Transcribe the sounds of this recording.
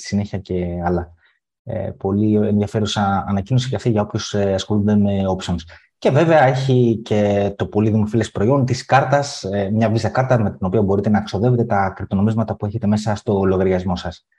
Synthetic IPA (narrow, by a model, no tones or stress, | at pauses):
st̪i̥sine̞çiɐce̞ɐlɐ | ḛpo̞lienðiɐfe̞ɾusɐːnɐcino̞sicɐft̪iʝɐo̞pço̞seɐsxo̞lund̪e̞me̞o̞psons | ce̞ve̞ve̞ɐe̞çice̞t̪o̞po̞liðimofile̞spɾo̞io̞nt̪iskɐɾt̪ɐsemɲɐvisɐkɐɾt̪ɐme̞t̪ino̞piɐbo̞ɾit̪e̞nɐkso̞ðe̞ve̞t̪e̞t̪ɐkɾip̚t̪o̞no̞mizmɐt̪ɐpue̞çe̞t̪e̞me̞sɐst̪o̞lo̞ɣɐɾʝɐzmo̞sɐs